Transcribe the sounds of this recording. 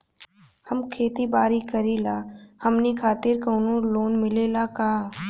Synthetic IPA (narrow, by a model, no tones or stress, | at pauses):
həmkʰeːt̪ibaːɾikəɾilaːhɐmnekʰaːt̪ɪɾkɐːnõloːnmɪleːlakaː